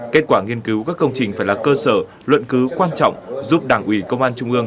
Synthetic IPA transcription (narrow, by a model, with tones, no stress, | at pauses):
ke˦˥t̚kwaː˧˩ŋi˧ənki˨˦wkaː˦˥kːə˧wŋ͡mt͡ɕï˨˩ŋ̟faː˧˩jlaː˨˩kəː˧səː˧˩ | lwə̰˧˨nkɨ˨˦kwaː˧nt͡ɕɔ̰˧˨wŋ͡mzu˦˥p̚ɗaː˧˩ŋʔwi˧˩kə˧wŋ͡mʔaː˧nt͡ɕʊ˧ŋ͡mʔɨ˧əŋ